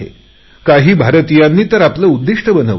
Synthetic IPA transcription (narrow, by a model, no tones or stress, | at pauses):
ḛ | kaɦiːbʱaɾət̪ijanːiːt̪əɾapləud̪ːiʂʈəbənəʋ